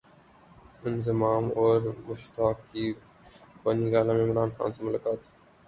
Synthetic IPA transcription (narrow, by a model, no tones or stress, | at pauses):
ɪnzɪmaːmoːɾmʊʃt̪aːkiː | bəniɡaːlamẽɪmɾaːnxa̰ːnsãmʊlaːkaːt̪